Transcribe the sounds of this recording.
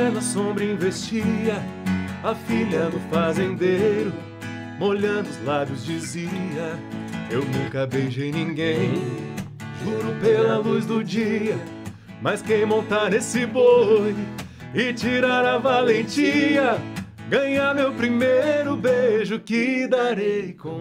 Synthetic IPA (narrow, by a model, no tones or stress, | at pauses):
ɛnɐsõbɾɐĩvest͡ʃiɐɐfiʎɐnʊfazẽnd̪ejɾʊ | moʎɐ̃nd̪ʊzlabjʊzd͡ʒiziɐewnũkɐbejʒejnĩɡẽj̃ | ʒuɾʊpelɐlujzd̪ʊd͡ʒiɐ | mɐjskẽj̃mõnt̪aɾnesɪboj | ɪt͡ʃiɾaɾɐvalẽt͡ʃiɐ | ɡɐ̃ɲaɾmewpɾimejjɾʊbeʒʊkɪd̪aɾejkõ